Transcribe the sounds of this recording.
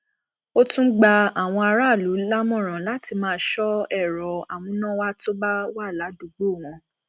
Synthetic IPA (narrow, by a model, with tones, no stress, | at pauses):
o˦tũ˦ɡ͡ba˧a˦˨w̃ɔ̃˧a˧ɾa˦˨lu˨˦la˦mɔ̃˦˨ɾ̃ã˨la˨˦ti˧mãː˦ʃɔ˦ɛ˦˨ɾɔ˨a˨wũ˧˦nã˦wa˦to˦ba˦wa˦˨la˨˦du˨ɡ͡bo˦˨w̃ɔ̃˧